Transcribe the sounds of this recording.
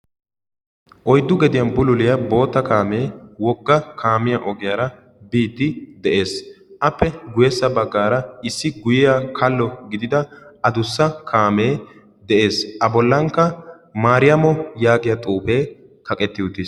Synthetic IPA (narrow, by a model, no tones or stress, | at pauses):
ʔɔjd̪ːʊɡɛd̪ɪjɐnbʊlʊlɪjɐbo̞ːt̪ːɐkaːmeːwɔɡːɐkʰaːmɪjɐʔɔɡɪjɐɾɐ | biːd̪ːɪd̪ɛʔe̞ːsʔɐpːɛɡʊjɛsːɐbɐɡːaːɾɐɪsːɪɡʊjɪjakʰɐlːɔɡɪd̪ɪd̪ɐɐd̪ʊsːɐkʰaːme̞ː | d̪ɛʔe̞ːsʔɐbɔlːɐŋkːɐ | maːɾɪjɐmɔjaːɡɪjɐt̪ʼuːpe̞ː | kɐkʼɛt̪ːɪʊt̪ːiːs